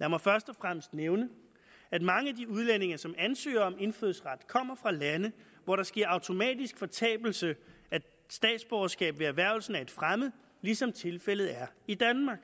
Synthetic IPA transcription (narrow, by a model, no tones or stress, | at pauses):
jæmɒ̽fɶɐsd̥ɒ̽fʁam̰əsd̥neʊnə | æd̥mɑ̈ŋəæd̥iuð̞ˠlen̰e̝ŋɐsɒ̽mænsø̰ːɐɒ̽me̝nføðˠsʁɑd̥kʰɒ̽m̰ɐfʁɑ̈lænə | ʋɒɾɑ̈sɡ̥e̝ɐɑ̈ʊt͡sʰo̝mɛ̰ːd̥isɡ̥fɒ̽t͡sʰɛ̰ːb̥l̩sə | æ̥ | sd̥ɛ̰ːd̥sb̥ɒːɐsɡ̥ɛ̰ːb̥ʋe̝æɐʋæɐʊl̩sn̩æɐe̝d̥fʁamð̩ˠ | lisɒ̽mt͡sʰe̝lfel̰ð̞̩ˠæɐid̥ænmɑ̈ɡ̥